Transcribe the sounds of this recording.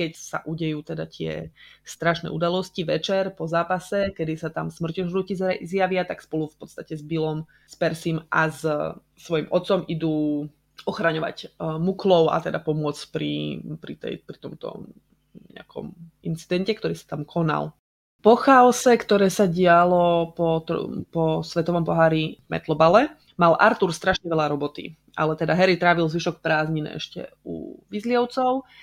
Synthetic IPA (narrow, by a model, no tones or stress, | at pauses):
kɛcsa̰ʔuɟɛjuːt̪ɛd̪at̪ɪɛ̰st̪ɾaʃnɛ̰ːʔud̪alɔsciʋɛt͡ʃɛɾpɔzaːpasɛkɛd̪isat̪amsmr̩cɔʒɾucizɾɛzjaʋɪat̪akspɔlufpɔt̪st̪acɛzbilɔm | spɛɾsimʔa̰z | sʋɔjimʔɔt̪sɔmid̪uː | ɔxɾaɲɔʋa̰cmuklɔʊa̰t̪ɛd̪apɔmʊɔt͡spɾḭpɾit̪ɛ̰jpɾit̪ɔmt̪ɔ̰ | ɲɛ̰akʰɔ̰mint͡sid̪ɛncɛk̚t̪ɔɾiːsḁt̪amkʰɔna̰l | pɔxaɔsɛkt̪ɔɾɛːsaɟɪalɔpɔt̪ɔ̰pɔsʋɛt̪ɔʋɔmpɔɦaːɾivmɛ̰t̪lɔbalɛ | malʔa̰ɾt̪uɾst̪ɾaʃɲɛʋɛʎaɾɔbɔt̪ḭ | ʔa̰lɛt̪ɛd̪aɦɛɾit̪ɾaːʋilzʋiʃɔkpɾaːzɲinɛ̰ʔɛ̰ʃcɛ̰ṵʋizlɪɔʊt͡sɔʊ